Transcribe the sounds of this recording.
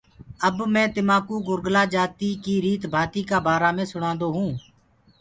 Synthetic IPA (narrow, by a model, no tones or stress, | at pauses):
əbmɛ̃ːt̪ɪmãːkuːɡʊɾɡlaːd͡ʒaːt̪iːkiːɾiːt̪bʱaːt̪iːkaːbaːɾaːmẽːsʊɽ̃ãːnd̪oːɦũː